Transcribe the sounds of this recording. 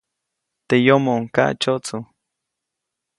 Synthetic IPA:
t̪ejomoŋka̰ʔt͡ʃot͡su

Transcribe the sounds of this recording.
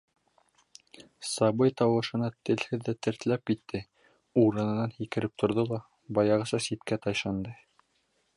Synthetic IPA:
sɑbɤjt̪ɑwɤ̆ʃɤ̆nɑt̪ɘ̆lhɘðːæt̪ɘ̆ɾt̪ɘ̆læp̚kit̪ːɘ | uɾɤ̆nɤ̆nɑnhikɘ̆ɾɘp̚t̪ʰŏɾðolˠɑ | bɑjɑʁɤ̆sɑsit̪kæt̪ɑjʃɑnd̪ɤ

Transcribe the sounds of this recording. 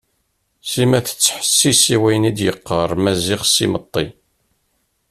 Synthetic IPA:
simæθə̥t͡sːħə̥sːisiwæjnid̪jəqːəɾˤmæziʁsimət̪ˤːi

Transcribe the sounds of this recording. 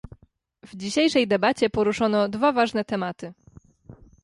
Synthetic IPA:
vd͡ʑiɕejʂɛjd̪ɛbat͡ɕɛpɔɾuʂɔnɔd̪vavaʐnɛt̪ɛmat̪ɘ

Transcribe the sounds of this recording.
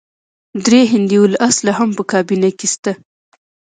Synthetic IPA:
d̪ɾeɦɪnd̪iwulʔaslaɦampəkɑbinakest̪a

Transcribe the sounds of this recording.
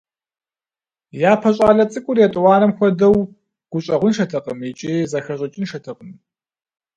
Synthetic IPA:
jaːpʰɐɕʼaːɮɐt͡sʼɨkʷʼʊrjɛtʼwɑːnɐmxʷɔdɐw | ɡ̥ʷʊɕʼɐʁʷʊnʃɐtʰɐqʼəmit͡ʃʼiːzɐxɐɕʼɐt͡ʃʼɪnʃɐtʰɐqʼəm

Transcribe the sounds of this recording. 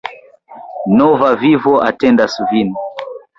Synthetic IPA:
nɔvavivɔʔatɛndasuvini

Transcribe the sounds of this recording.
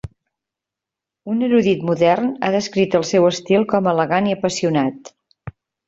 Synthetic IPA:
unəɾuðit̪muðɛrnaðəskɾit̪əlˠsɛwəst̪ilˠkɔmələɣaniəpəsiunat̪

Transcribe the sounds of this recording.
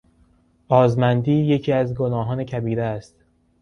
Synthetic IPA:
ʔɒːzmænd̪iːje̞cʰiːæzɡonɒːɦɒːnecʰæbiːɾeːst̪

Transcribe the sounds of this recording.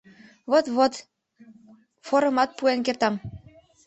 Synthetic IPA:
βot̪βot̪ | foɾɤmɑt̪̚puenkert̪ɑm

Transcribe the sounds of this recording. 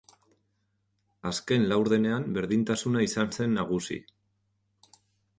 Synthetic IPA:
aske̞nlawɾðe̞ne̞ambe̞ɾðint̪asunaisanse̞nːaɣ̞usḭ

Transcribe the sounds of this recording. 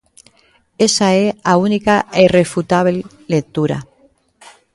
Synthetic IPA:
esaeaunikaeirefut̪aβ | lek̚t̪uɾa̰

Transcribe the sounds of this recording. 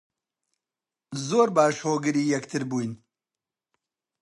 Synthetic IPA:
zoːɾbaːʃhoːɡɨɾiːjɐkt̪ʰɨɾbuːjn

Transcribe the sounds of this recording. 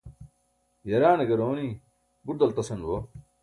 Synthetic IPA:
jɐɾaːnɐɡɐɾoːni | bud̪ɐlt̪ɐsɐnwo

